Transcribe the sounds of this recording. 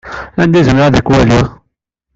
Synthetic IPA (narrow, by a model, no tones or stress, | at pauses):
ænd̪izəmɾaðækwæli